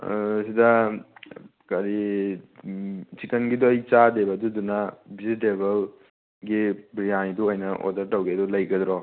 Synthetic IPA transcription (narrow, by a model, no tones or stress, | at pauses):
sidɐ | kɐɾi | sikɐnɡidɔɐjt͡ʃadebɐdudunɐbʱiziteβɐl | ɡibɾijaniduojnɐʔo̰dɐɾtɐwɡidulɐjɡɐd̪ɾɔ